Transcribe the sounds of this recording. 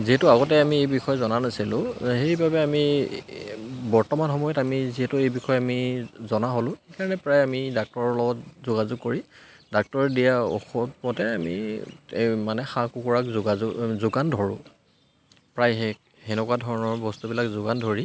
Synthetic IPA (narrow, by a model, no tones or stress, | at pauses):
ziɦɛtʊaɡɔtɛamiejbixɔjzɔnanasilʊ̃xejbabɛami | bɔɹtɔmanxɔmɔjɔtamiziɦɛtʊejbixɔjamizɔnaɦolʊ̃xejkaɹɔnɛpɹajamidak̚tɔɹɔɹlɔɡɔtzʊɡazʊɡ̚koɹi | dak̚tɔɹdijaɔ̰xɔmɔtɛamḭ | manɛxãkukuɹakzʊɡazʊɡzʊɡandʱɔɹʊ̰̃ | pɹajɦɛ | hɛnɔkwadʱɔɹɔnɔɹbɔstubilakzʊɡandʱɔɹi